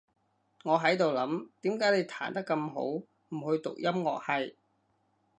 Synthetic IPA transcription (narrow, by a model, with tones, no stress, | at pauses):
ŋɔː˨˧ɦɐ˨˥jt̪o˨wlɐ˨˥mt̪iː˨˥mkaː˨˥jle˨˧jt̪ʰaː˨˩nt̪ɐ˥kːɐ˧mɦo̰˨˥w | m̩˨˩hɵ˧ɥt̪ʊ̰˨k̚jɐ˥mŋɔ̰ː˨k̚hɐ˨j